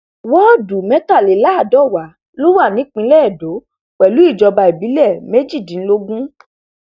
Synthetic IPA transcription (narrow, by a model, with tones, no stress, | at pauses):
wɔ˦˨du˨mɛ̃˦ta˦˨le˨˦la˦a˦˨dɔ˦˨wa˨˦ | lo˦wa˦˨nĩ˨˦k͡pĩ˧˦lɛ˦˨do˨˦ | k͡pɛ˨lu˨˦i˦˨d͡ʒɔ˧ba˧i˨bi˨˦lɛ˦˨me˦d͡ʒi˦˨dĩ˨˦n̩˦lo˧ɡũ˦